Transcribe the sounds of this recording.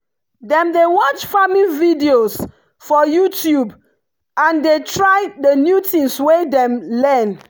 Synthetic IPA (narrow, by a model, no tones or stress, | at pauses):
dɛ̃mdewɔt͡ʃfamividios | fɔjutʰjub | ãndetʰɹaɪdənjutĩnswedɛ̃mlɛ̃n